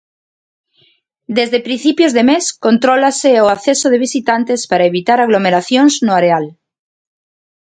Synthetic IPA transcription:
d̪ezðepɾĩn̟θipjozðemeskõnt̪ɾolaseoaθesoð̞eβ̞isit̪ant̪espaɾaeβit̪aɾaɣ̞lomeɾaθjonznoaɾeal

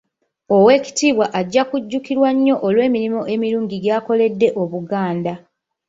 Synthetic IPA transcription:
o̞we̞ːci̥tiːβwaʔaɟːakuɟːukiɾwaɲːo̞ʔolwe̞ːmiɾimo̞ʔe̞miɾuːɲɟiɡjaːko̞le̞dːe̞ʔo̞βuɡaːnda

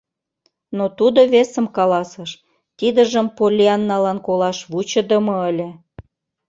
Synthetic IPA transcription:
not̪ud̪oβesə̆mkɑlɑsəʃ | t̪id̪əʒəmpolʲiɑnːɑlɑnkolɑʃβut͡ɕə̆d̪ə̆mɤəlʲĕ

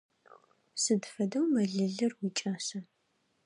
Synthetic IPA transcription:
sɨdfɐdɐwmɐɮɨɮɨrwiːt͡ʃʼaːsɐ

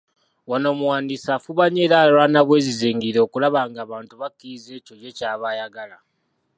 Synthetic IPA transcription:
wano̞ːmuwaːndisafuβaɲeːɾalanaβwe̞ːziziːŋɡiɾekulaβaːŋɡaːβaːntuβakːiize̞ːco̞je̞caːβajaɡala

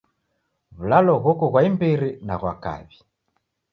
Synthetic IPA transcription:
βulalɔɣukɔɣwaimbiɾinaɣwa̰ka̰βi

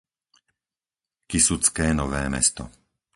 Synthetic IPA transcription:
kisut͡skɛːnɔʋɛːmɛ̰st̪ɔ̰

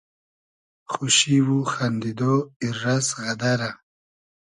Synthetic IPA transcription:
xuʃiwuxand̪id̪oiɾːasɣad̪aɾa

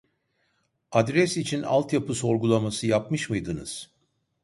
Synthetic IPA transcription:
ad̪ɾɛsit͡ʃʰina̰lˠt̪japʰɯso̞ɾɡulˠamasɯjapmɯʃmɯjd̪ɯnɯ̰z̥

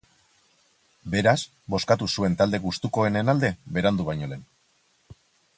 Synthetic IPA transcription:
be̞ɾas | bo̞skat̪usue̞nt̪ald̪e̞ɣust̪uko̞e̞ne̞nald̪e̞βe̞ɾand̪uβ̞ajɲo̞le̞n

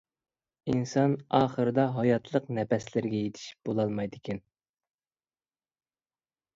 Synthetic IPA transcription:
insɑnɑːχəɾɨd̪ɑɦɑjɑt̪ʰlˠəqnɛpɛslɪɾɡʲɛjet̪ʰɪ̥ʃi̥p̚b̥olˠɑlˠmɑjd̪ɪkʲʰɛn

